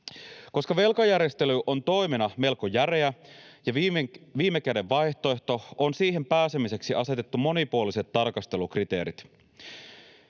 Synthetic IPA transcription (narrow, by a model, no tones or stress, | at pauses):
ko̞skɑʋe̞lkɑjæɾjest̪e̞lyʔo̞nt̪o̞jmenɑme̞lkojæɾeæjɑʋiːmːe̞kædeʋːɑjçt̪o̞e̞ht̪o̞onsiːɦempæːse̞mise̞ksiʔɑse̞t̪e̞t̪ːumo̞nipuolise̞t̪ːɑrkɑst̪e̞lukrit̪e̞̰ːɾit̪